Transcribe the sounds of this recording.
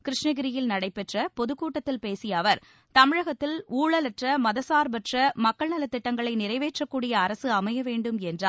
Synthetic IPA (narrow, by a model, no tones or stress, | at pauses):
kɪɾɪʂɳɐɣɪɾɪjɪlnɐɽɐɪpːɛʈrɐpɔðɯkːuːʈːɐt̪ːɪlpeːsɪjɐʋɐɾ | t̪ɐmɪɻɐɣɐt̪ːɪluːɭɐlɐʈrɐmɐðɐsaːɾbɐʈrɐmɐkːɐɭnɐlɐt̪ːɪʈːɐŋɡɐɭɐɪnɪrɐɪʋeːʈrɐkːuːɽɪjɐːɾɐsɯɐmɐjɐʋeːɳɖɯmɛndraː